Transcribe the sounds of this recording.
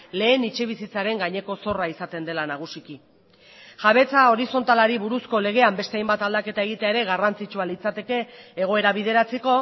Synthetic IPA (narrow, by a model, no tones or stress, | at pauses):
le̞ːnit͡ʃeβ̞isit͡saɾe̞ŋɡaɲe̞ko̞so̞raisat̪e̞nd̪e̞lanaɣ̞usiki | ʝaβe̞t͡sao̞ɾiso̞nt̪alaɾiβuɾusko̞le̞ɣ̞e̞ambe̞st̪e̞ajmbat̪ald̪ake̞t̪ae̞ɣ̞it̪eaeɾe̞ɣarant͡sit͡ʃualit͡sat̪e̞ke̞ːɣ̞o̞e̞ɾaβiðe̞ɾat͡seko̞